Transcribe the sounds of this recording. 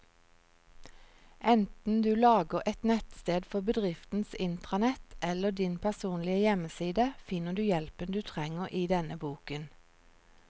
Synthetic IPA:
ʔɛnt̪n̩d̪ʉːlɑːɡəʁʔɛt̪nɛt̪st̪eːd̪fɔbəd̪ʁɪft̪n̩sɪnt̪ʁɑnɛt̪ʔɛləd̪ɪnpʰæsuːnlɪəjɛməsiːd̪əfɪnəd̪ʉːjɛlpənd̪ʉːt̪ʰʁɛŋəʁʔiːd̪ɛnəbuːkən

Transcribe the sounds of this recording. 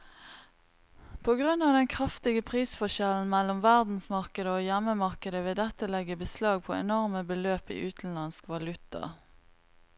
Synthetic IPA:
pʰoːɡʁʉnːɑːʋd̪ɛnkʰʁɑft̪ɪɡəpʰʁiːsfɔʃɛln̩mɛlɔmʋæʁd̪n̩smɑʁkəd̪əoːjɛməmɑʁkəd̪əʋed̪ɛt̪əlɛɡəbəslɑːɡ̚pʰɔɛ̰nɔʁməbəløːpḭːʔʉːt̪n̩lɑnskʋɑlʉt̪ɑ̰

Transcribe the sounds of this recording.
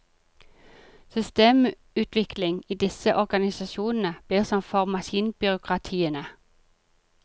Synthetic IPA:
sʏst̪eːm | ʉːt̪ʰʋɪkʰlɪŋiːd̪ɪsəʔɔʁɡɑnɪsɑʃuːnn̩əb̥liːʁsɔmfɔʁmɑʃiːnbʏʁʊkʁɑt̪ʰiːənə

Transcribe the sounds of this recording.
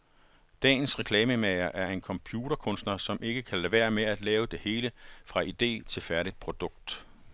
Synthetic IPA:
d̥ɛ̰ːn̩sʁɛkʰlɛːməmeɪɐʔæɐe̝nkʰɒ̽mpʰjuːd̥ɐkʰɔ̽nsd̥nɐsɒ̽mʔe̝ɡ̥əkʰæleʋe̝̰ːɐmeæd̥lɛːʊəd̥e̝he̝ːləfʁɑ̈ʔid̥e̝̰ːt͡sʰe̝lfæɐɾid̥̚pʰʁo̝d̥ɔ̽ɡ̥̚d̥

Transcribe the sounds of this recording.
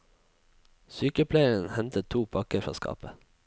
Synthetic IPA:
syːkəpʰlæɪəənhɛnt̪ət̪ʰuːpʰɑkəfɑ̰ːskʰɑ̰ːpə

